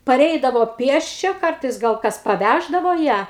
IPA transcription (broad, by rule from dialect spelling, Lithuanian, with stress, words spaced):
pɐˈrʲɛɪdɐʋoː ˈpʲiɛsʲt͡ʃʲɛ ˈkɐrtɐɪs ɡɐlˠ ˈkɐs pɐˈʋʲæʒdɐʋoː ˈjæː